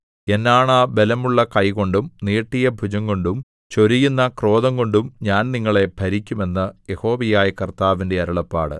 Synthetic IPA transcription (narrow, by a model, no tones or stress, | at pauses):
e̞nːaːɳaːbe̞lɐmuɭːɐkɐjko̞ɳɖumniːʈːijɐbʱud͡ʑɐŋɡo̞ɳɖum | t͡ɕo̞ɾijunːɐkro̞ːðɐŋɡo̞ɳɖumɲaːnniŋːɐɭe̞bʱɐɾikʲːume̞nːɐje̞ho̞ːʋijaːjɐkɐrt̪aːʋinde̞ɐɾɐɭɐpːa̰ːɽɨ̰